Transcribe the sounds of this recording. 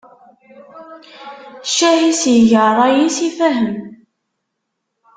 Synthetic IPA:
ʃːæhisjʝərˤɑjisifæɦəm

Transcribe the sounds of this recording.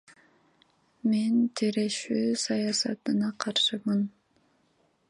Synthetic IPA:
ment̪ʰiɾeʃyːsɑjɑsɑ̰t̪ɯnɑqʰɑɾʃɯmɯn

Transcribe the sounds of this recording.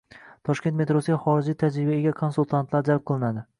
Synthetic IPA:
t̪ʰɒʃkʲe̞nt̪me̞t̪ɾosɪɡʲaχɒɾɪd͡ʒijt̪ʰad͡ʒɾɪbieɡʲakʰonsulˠt̪ʰant̪laɾd͡ʒalˠp̚qʰɨlˠɪnad̪ɪ

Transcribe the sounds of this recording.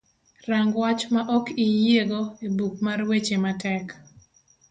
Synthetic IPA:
ɾaŋɡwat͡ʃmaʔɔkijeɡoebuk̚marwet͡ʃematɛk

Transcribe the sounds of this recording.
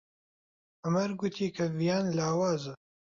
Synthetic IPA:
ɐmɐɾɡʊt̪ʰiːkʰɐvijaːnlaːwaːzɨ

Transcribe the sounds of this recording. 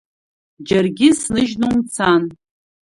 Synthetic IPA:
d͡ʒarɡʲɪsnɨʒnomt͡sʰan

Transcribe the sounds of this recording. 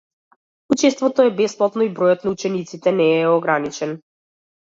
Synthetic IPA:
ut͡ʃɛst̪vɔt̪ɔɛbɛsplˠat̪nɔibɾɔjɔt̪naut͡ʃɛnit̪sit̪ɛnɛːɔɡɾanit͡ʃɛn

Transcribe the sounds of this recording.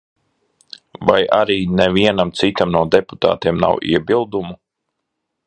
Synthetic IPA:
vaja̰ɾiːnɛviɛnamt̪sit̪amnuɔd̪epu̥t̪a̰ːt̪eɛmna̰wʔḭɛbilˠd̪umu

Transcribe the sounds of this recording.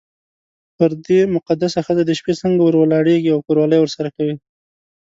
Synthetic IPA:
pəɾd̪emʊqad̪asaxəzad̪əʃpet͡səŋɡawəɾwəlɑɽeɡiawkoɾwɑləjwəɾsaɾakawi

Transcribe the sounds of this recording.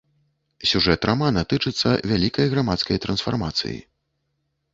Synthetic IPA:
sʲuʐɛt̪ɾʔamanɐt̪ɨt͡ʂɨt̪sːɐvʲalʲikɐjɣɾamat̪skɐjt̪ɾɐnsfa̰rmat̪sɨ̰jḭ

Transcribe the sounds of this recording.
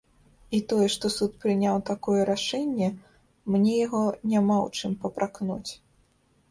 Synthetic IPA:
it̪ɔjɛʂt̪ɔsut̪̚pɾɨnʲawt̪akɔjɛɾaʂɛnʲːɛ | mnʲɛjaɣɔnʲamaw̰t͡ʂɨmpɐpɾʔaknut͡sʲ

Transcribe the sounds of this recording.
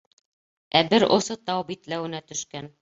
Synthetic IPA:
æbɘɾʔŏ̰sɤt̪ɑwbit̪læwɘ̆næt̪ɵ̆ʃkæn

